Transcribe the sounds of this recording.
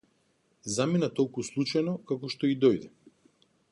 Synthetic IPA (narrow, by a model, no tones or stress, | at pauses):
zaminat̪ɔlˠkuslˠut͡ʃajnɔkakɔʃt̪ɔid̪ɔjd̪ɛ